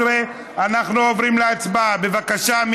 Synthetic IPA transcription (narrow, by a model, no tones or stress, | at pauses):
ʁe | anaχnuovɾimleat͡sbabe̞vakaʃam